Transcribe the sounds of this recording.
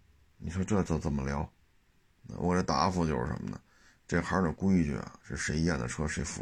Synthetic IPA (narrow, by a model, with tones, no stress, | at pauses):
ni˨˩ʂwɔ˥ʈ͡ʂɤ˥˩t͡so˧˥˩t͡sə˨˩nmə˦ljɑ˧˥ʊ | na̰˧wʔɔ̰˨˩ə˥t̪a̰˧˥˧fu˧˩t͡ɕjo˥˧ʊʂɻ̩̰˥˩ʂə̰˧˥mə̰˧nə̰˨ | ʈ͡ʂɤ˥˩ɡə˩xa˧˥nə˨˩ku˥i˥˧t͡ɕy̰˥˩ɐ̰˩ʂɻ̩˥˩ʂe˧˥ɪ˧jɛ˥˩nd̪ə̰˩ʈ͡ʂʰɤ˥ʂe˧˥ɪfṵ˧˩